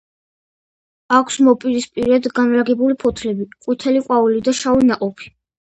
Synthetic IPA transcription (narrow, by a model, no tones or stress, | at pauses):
akʰsmɔpʼiɾispʼiɾɛd̪ɡanlaɡɛbulipʰɔt̪ʰlɛbiqʼwit̪ʰɛliqʼwaulid̪aʃainaqʼɔpʰi̥